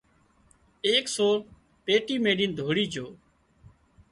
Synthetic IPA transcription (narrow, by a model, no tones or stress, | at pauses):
eːksoː | peːʈiːmeːɗiːnd̪ʱoːɽiːd͡ʒoː